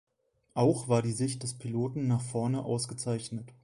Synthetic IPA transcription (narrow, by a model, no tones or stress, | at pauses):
ʔaʊxv̥aːɐdiːzɪçt̚d̥ɛspʰiloːtn̩naːχfɔɐnəʔa̰ʊsɡ̥ət͡saɪçnət